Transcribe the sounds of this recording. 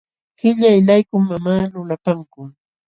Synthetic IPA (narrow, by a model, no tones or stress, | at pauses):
hɪʎajlajkʊmamaːlʊlapaŋkʊ